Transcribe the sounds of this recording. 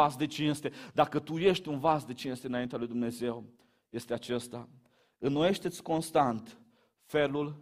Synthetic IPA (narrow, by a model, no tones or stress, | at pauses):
asd̪e̞t͡ʃinst̪e̞d̪akət̪uje̞ʃt̪ʲunvasd̪e̞t͡ʃinst̪eɨnaint̪ealujd̪umne̞ze̞w | je̞st̪eat͡ʃest̪a | ɨnːoje̞ʃt̪e̞t̪sʲko̞nst̪ant̪ | fe̞lul